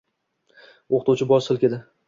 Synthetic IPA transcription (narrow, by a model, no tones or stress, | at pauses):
oqt̪uwt͡ʃʰɪbɒʃsɨlˠkʲed̪ɪ